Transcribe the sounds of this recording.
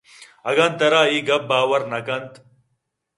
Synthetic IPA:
ɐɡɐnt̪ɐɾaːiːɡɐp̚baːwɐɾnɐkɐnt̪

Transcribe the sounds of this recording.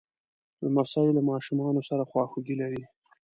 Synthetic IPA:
d̪əmafsawilamɑʃumɑnosaɾaxwɑxuɡilaɾi

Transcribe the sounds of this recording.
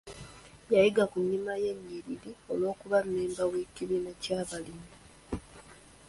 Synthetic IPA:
jajiɡakuɲːimaje̞ɲːiɾiɾio̞lo̞ːkuβamːeːmbawe̞ciβiːnacaːβalini

